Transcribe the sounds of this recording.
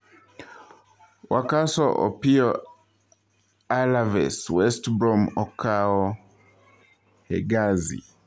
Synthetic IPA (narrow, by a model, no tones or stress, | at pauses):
wakasɔʔɔ̰piɔ | alavɛ̰swɛstbɾɔmɔkʰaɔ | hɛ̰ɡazḭ